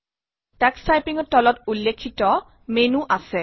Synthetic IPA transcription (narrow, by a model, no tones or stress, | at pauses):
taksajpiŋɔtɔlɔtulːekʰːitɔ | menuʔasɛ